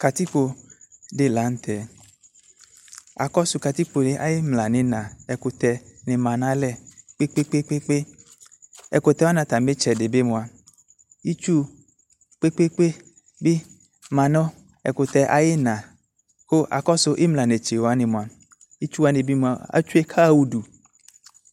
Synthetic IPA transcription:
ka˨t̪i˦k͡po˨dɪ˦la˨˦n̩˦t̪ʰɛ˨ | a̰˨kɔ˦sʊ˨ka˨t̪i˦k͡po˨le˦ʔa˨jɪ˦mla˨nɪ̃˨nã˨ɛ˨kʊ˨t̪ɛ˨nɪ̃˨mã˨nã˦lɛ˦˨k͡pe˦k͡pe˦k͡pe˦k͡pe˦k͡pe˦ | ɛ̰˨ko˨t̪ɛ˦wa˦nã˨t̪ã˨m˦be˦t͡ʃɛ˨dɪ˨be˦mõ˨a˨ | i˦t͡ʃu˦ | k͡pe˦k͡pe˦k͡pe˦ | bi˦ | mã˨nɔ̃˦ | ɛ̰˨ko˨t̪ɛ˨ʔa˨je˦nã˨ | xo˦ʔa̰˨kɔ˦sʊ˦ʔe˦mla˨ne˨t͡ʃe˨wo˨a˦ne˨mõ˨a˨ | i˦t͡ʃu˦wa˦ne˨bi˦mũ˨a˨a̰˦t͡ʃu˦e˦kʰa˦˨wu˦du˨

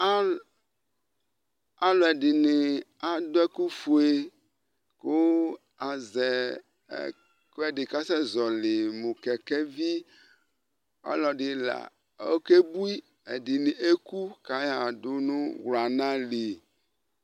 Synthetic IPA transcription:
a˦ | a˦lo˨ɛ˨dɪ˨nɪ̃˨a˦d̪o˦ɛ˦ku˦fu˨˦e˨ | ko˦ | a˨zɛ̰˨ | ko˦ɛ˨ɖɪ˨ka˦sɛ˦zɔ˨le˨mũ˨kɛ˨kɛ˦vi˦ | a̰˦lɔ˨ɖɪ˨la̰˨ | o˦ke˦bu˦i˦ | e˨ɖi˨nĩ˨ʔe˦ku˦ka˦ja˦a˨do˦nũ˦ɣlo˨a˨nã˦le˨

